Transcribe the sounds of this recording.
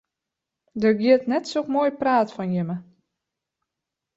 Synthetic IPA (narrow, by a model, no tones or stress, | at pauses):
dərɡiətnɛtsokmoːjpraːtfɔnjɪmə